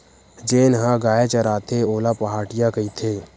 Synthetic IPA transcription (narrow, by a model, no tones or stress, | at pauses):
d͡ʒeːnɦãɡaːjet͡ʃəɾaːt̪ʰeoːlapəɦaːʈɪjakəit̪ʰeː